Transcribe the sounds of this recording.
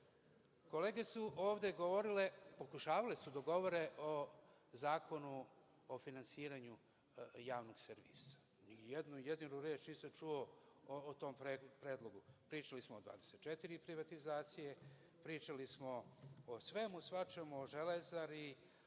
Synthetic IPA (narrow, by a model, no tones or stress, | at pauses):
ko̞leːɡesuʔoːʋd̪e̞ɡoʋo̞ɾilepo̞kuʃaːʋale̞sud̪aɡo̞ʋo̞ɾe̞ʔo | zaːkʰonuː | finansiːɾaɲu | jaːʋnoɡseɾʋḭːsḁ | nijed̪nujed̪inuɾeːt͡ʃniːsamt͡ʃuoː | t̪o̞ːmpɾepɾeːd̪lˠo̞ɡupɾiːt͡ʃalismoːd̪vʋa̰ːd̪eset̪̚t͡ʃet̪iɾipɾiʋat̪izaːt̪sije | pɾiːt͡ʃalismoosʋe̞musʋat͡ʃemuoʒelezaɾi